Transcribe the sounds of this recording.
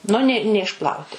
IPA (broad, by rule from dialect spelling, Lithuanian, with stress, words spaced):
ˈnʊ nʲɛ nʲɛɪʃˈplˠɐʊtʲɪ